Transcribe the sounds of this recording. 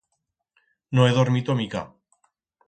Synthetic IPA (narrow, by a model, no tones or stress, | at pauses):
noeðoɾmit̪omika̰